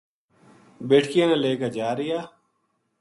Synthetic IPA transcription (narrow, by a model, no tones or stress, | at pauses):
beːʈʰkiẽːnãːleːkɐd͡ʒaːɾɪjaː